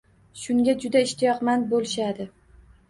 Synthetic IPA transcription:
ʃʊŋɡʲad͡ʒʊd̪aɪʃt̪ʰɪjɒqmanbolɪʃad̪ɪ

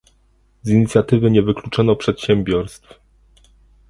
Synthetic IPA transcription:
ziɲit̪sʲjat̪ɘvɘɲɛvɘklut͡ʂɔnɔpʂɛt̪ɕɛmʲbʲjɔɾst̪f

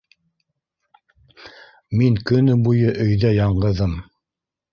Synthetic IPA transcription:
miŋkɵ̆nɵbujɤʔɵ̆jðæjɑɴɢɤ̆ðɤm

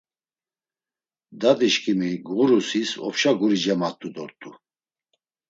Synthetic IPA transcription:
d̪ad̪iʃkʰʼimiɡʁuɾusisɔ̰pʃaɡuɾid͡ʒɛmat̪ʼud̪ɔɾt̪ʼu

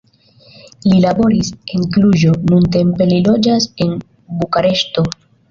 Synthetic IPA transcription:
lilabo̞ɾise̞ŋkluʒo̞nunte̞mpe̞lilo̞d͡ʒase̞n | bukaɾe̞ʃto̞

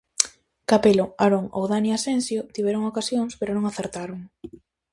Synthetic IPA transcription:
kapeloaɾoŋowðaniasensjot̪iβ̞ɛɾoŋokasjoŋspeɾonõŋaθeɾt̪aɾoŋ

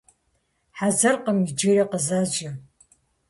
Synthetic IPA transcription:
ħazɐrqəmid͡ʒɪɾeqəzaːd͡ʒɐ

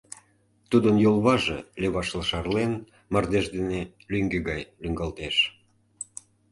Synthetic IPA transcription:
t̪ud̪ənjolˠβɑʒeleβɑʃləʃɑrlen | mɑrd̪eʃd̪ene | lyŋɡeɡɑjlyŋɡɑlt̪eʃ

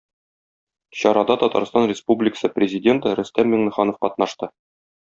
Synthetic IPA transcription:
ɕɒɾɑd̪ɑt̪ɒt̪ɑ̰ɾst̪ɑnrʲɪspublʲɪkə̥sɤprʲɪzʲɪdʲe̞nt̪əɾɵ̆st̪æmːɘŋnɘ̆χɑnofqɒt̪̚nɑʃt̪ɤ

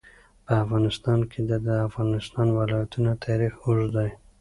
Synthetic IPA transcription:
pəafɣɑnɪst̪ɑnkʰed̪əd̪əafɣɑnɪst̪ɑnwɪlɑjat̪unat̪ʰɑɾixuʒd̪ɑj

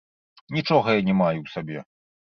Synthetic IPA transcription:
nʲit͡ʂɔɣɐjanʲɛmajuwsabʲɛ

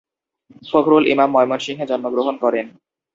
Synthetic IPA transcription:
ʃokʰɾolʔḭmamːɔjmonʃiŋɦed͡ʑɔnːoɡɾoɦonkɔɾen

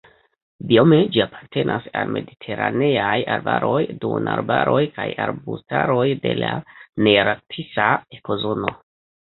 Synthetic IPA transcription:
bio̞med͡ʒiapʰḁɾte̞nʔasalme̞ditʰe̞ɾane̞ajaɾbaɾʔo̞jdunaɾbaɾʔo̞jkajaɾbustaɾo̞jde̞laneɾatʰisaeko̞zo̞no̞

